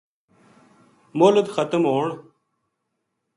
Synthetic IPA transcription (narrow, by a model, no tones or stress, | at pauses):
moːlud̪xɐt̪əmoːɳ